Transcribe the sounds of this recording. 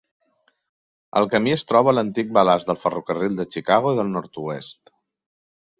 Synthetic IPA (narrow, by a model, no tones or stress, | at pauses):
ə̰lˠkəmiəst̪ɾɔβ̞ələnt̪ik̚bəlazðəlˠfərukərilˠd̪ət͡ʃikaɣ̞oiðəlˠnɔɾt̪uest̪